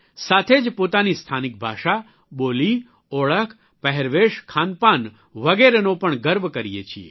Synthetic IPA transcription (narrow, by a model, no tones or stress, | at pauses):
saːt̪ʰed͡ʒpoːt̪aːnist̪ʰaːnɪk̚bʱa̰ːʃa | boːli | oːɭəkʰ | pɐɦɛɾʋeːʃkʰaːnpaːn | ʋɐɡeːɾənopəɳɡəɾʋkɐɾijet͡ʃʰiḛ